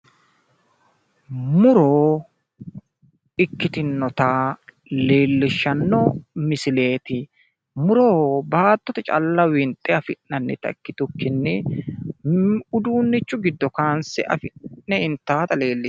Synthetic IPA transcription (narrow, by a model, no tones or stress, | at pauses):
mʊɾoː | ɪkːɪt̪ɪnːɔt̪aː | le̞ːlːɪʃːɐnːɔmɪsɪle̞ːt̪ɪ | mʊɾoːbaːt̪ːɔt̪ɛt͡ʃʼɐ̰lːɐwɪnt̪ʼːɛɐfɪnːɐnːɛt̪ɐ̰kːɪt̪ʊkːɪnːɛ | ʊd̪uːnːɪt͡ʃːʊɡɪd̪ːɔkaːnsɛʔɐ̰fɪːɛɪnt̪ːaːt̪ɐle̞ːlːɪs